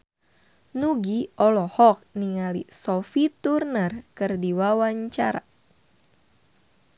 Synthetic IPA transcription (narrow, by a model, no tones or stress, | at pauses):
nuɡiɔlɔhɔk̚niŋalḭsɔfit̪urnərkɨrdiwawaɲt͡ʃaɾa̰